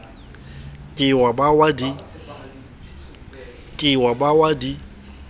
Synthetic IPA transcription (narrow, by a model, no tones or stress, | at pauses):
kʼɪwabawadi | kʼɪwabawadi